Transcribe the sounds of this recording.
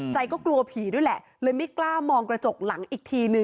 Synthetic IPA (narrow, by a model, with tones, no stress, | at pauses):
t͡ɕa˧jkɔː˥˩klu˧ɐpʰiː˩˦du˥˩˨jlɛ˨˩ʔ | ləː˧jma˦˥˩klaː˥˩mɔː˧ŋkɾa˧t͡ɕo˨˩k̚la˩˦ŋʔiː˨˩k̚t̪ʰiː˧nɯ˧ŋ